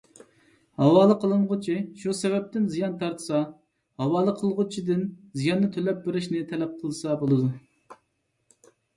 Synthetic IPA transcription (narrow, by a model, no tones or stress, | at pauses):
hɑwɑːlˠəqʰəlˠɨnʁʊt͡ʃʰiʃusɛvɛp̚t̪ɪnzijɑnt̪ʰɑɾt̪ʰɨ̥sɑ | hɑwɑːlˠəqʰəlˠʁʊt͡ʃʰid̪ɪnzijɑnːɨt̪ʰølɛp̚beɾɪʃnɪt̪ʰɛlɛp̚qʰəlˠɨsɑbolˠɨd̪u